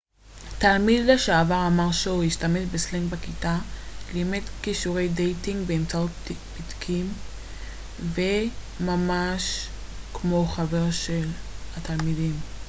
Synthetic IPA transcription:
talmidleʃaavaʁamaʁʃojiʃtameʃbesleŋɡbakitalimetkiʃuʁe̞jdejtiŋɡbeːmt͡saot̚b̥idkʰim | ve | mamaʃ | kmo̞χaveʁʃelhatalmidim

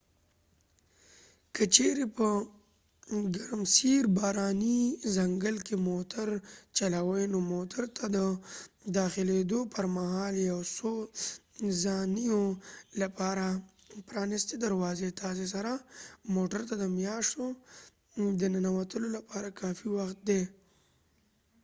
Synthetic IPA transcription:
kət͡ʃeɾepə | ɡaɾmsiɾbɑːɾɑnizaŋɡəlkemoʈʰaɾt͡ʃalawəjnomoʈaɾt̪ʰad̪əd̪ɑxɪled̪opəɾmaɦɑːljawso | zɑnijolapɑːɾa | pɾɑːnɪst̪ed̪aɾwɑːzet̪ʰaːs̬es̬aɾamoʈaɾt̪ad̪əmjɑʃt̪o | d̪ənanawat̪əlolapɑɾakɑːfiwaxt̪̚d̪e

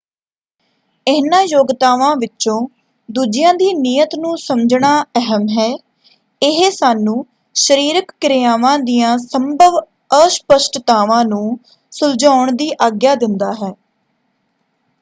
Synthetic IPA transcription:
ɪɦnãːjoːɡt̪aːʋãːʋɪt͡ʃõː | d̪uːd͡ʒɪjãːd̪iːniːət̪nũːsəmd͡ʒɳaːɛɦəmɦɛː | ɪɦeːsaːnũː | ʃəɾiːɾəkːɾɪjaːʋãːd̪iːjãːsəmbʱəʋ | əspəʃʈət̪aːʋãːnũː | sʊld͡ʒaːʊɳd̪iːʔaːɡjaːd̪ɪnd̪aːɦɛː

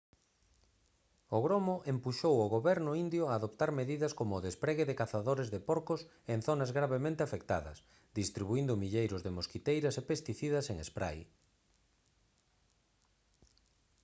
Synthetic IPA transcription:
ʊɣɾomʊʔempuʃowʊɣoβɛɾnʊind̪jʊaːðopt̪aɾmeðiðɐskomoːðespɾeɣeðɪkaθaðoɾezðepoɾkʊs | en̟θonɐzɣɾaβemẽnt̪eafek̚t̪a̰ðɐ̰s | d̪ist̪ɾiβuind̪ʊmiʎejɾʊzðemoskit̪ejɾɐsepest̪iθiðɐseŋespɾa̰j

